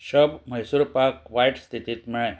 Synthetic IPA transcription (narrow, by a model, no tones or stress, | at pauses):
ɕəbməjsuːɾpaɾkʋajʈst̪ʰit̪iːt̪miɭãj